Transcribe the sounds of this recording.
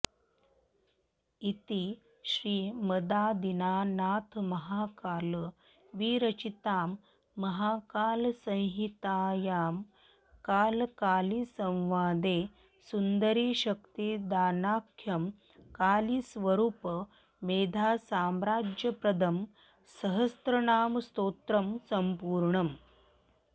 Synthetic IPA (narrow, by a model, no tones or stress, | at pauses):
it̪i | ɕɾiːməd̪aːd̪inaːnaːt̪ʰmɐɦaːkaːl | ʋiːɾɐt͡ʃit̪aːmː | ɐɦaːkaːlsə̃j̃ɦit̪aːjaːm | kaːlkaːlisɐ̃w̃ʋaːd̪eː | sund̪əɾiːɕɐk̚t̪id̪aːnaːkʰːjɐm | kaːlisʋɐɾuːp | meːd̪ʱaːsaːmɾaːd͡ʒjɐpɾɐd̪ʱɐm | sɐɦəst̪ɾɐnaːmst̪oːt̪ɾɐmsɐmpuːɾɳɐm